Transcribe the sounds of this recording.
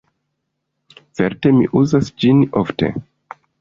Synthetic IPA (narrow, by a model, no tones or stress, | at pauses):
t͡se̞ɾte̞mḭʔuzasd͡ʒinofte̞̰